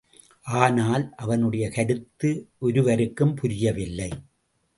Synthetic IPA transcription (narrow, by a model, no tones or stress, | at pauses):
ʔaːnaːlʔɐʋɐnɯɽɐjɐkɐɾɯt̪ːɯʔɔɾɯʋɐɾɯkːɯmpʊɾɪjɐʋɪlːɐɪ